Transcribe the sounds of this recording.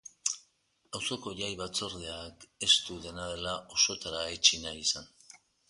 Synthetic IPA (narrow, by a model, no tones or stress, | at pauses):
awso̞ko̞ʝajβat͡so̞ɾðeake̞st̪uðe̞naðe̞laʔo̞so̞t̪aɾaet͡ʃinajisan